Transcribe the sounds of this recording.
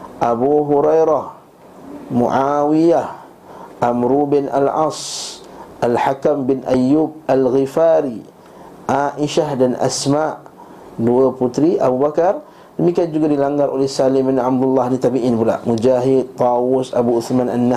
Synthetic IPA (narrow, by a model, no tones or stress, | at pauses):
ʔabuɦuɾajɾah | mṵʔawiah | ʔamɾubɪnʔa̰lʕɑ̰s | ʔalħakambɪnʔajːub̚alɣifaɾi | ʔaʔiʃahdanʔa̰smaʔ | duaput̪ɾiʔa̰bubakar | dəmikiand͡ʒuɡadilaŋɡaɾʔolɛhsalɪmɪnab̚d̪ulːahnit̪abiʔinpula̰ʔmud͡ʒaɦɪd̪̚t̪ɑwʊsabuʊθmanʔanːa